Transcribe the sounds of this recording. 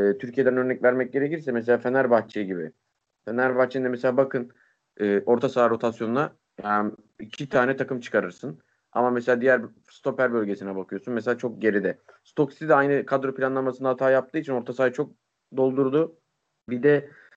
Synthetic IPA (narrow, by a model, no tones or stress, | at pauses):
t̪ʰyɾcʰije̞d̪ænø̞ɾnɛcvæɾmɛc̚ɟe̞ɾeciɾsɛmes̬e̞lʲaːfe̞næɾbaxt͡ʃʰɯɟibɪ̰ | fenæɾbaht͡ʃʰːɯnɛmeselʲaːbakʰɯn | ɯːʔo̞ɾt̪ʰasaːɾo̞t̪ʰasjo̞nuna | ja | icʰit̪ʰaːnɛt̪ʰakɯmt͡ʃʰɯ̥kʰaɾɯɾsɯn | a̰mameselʲaːd̪ijæɾ | st̪o̞pæɾbø̞lʲɟe̞sinɛbakʰɯjo̞sunmes̬elʲaːt͡ʃʰo̞k̚ɟe̞ɾid̪ɛ | st̪ʰo̞ksit̪id̪ɛajnɯkʰad̪ɾo̞pʰlʲanlˠamasɯnd̪at̪ʰaːjap̚t̪ʰɯːit͡ʃʰino̞ɾt̪ʰasaːjɯt͡ʃʰo̞k̚ | d̪o̞lˠd̪uɾd̪u | bid̪ɛ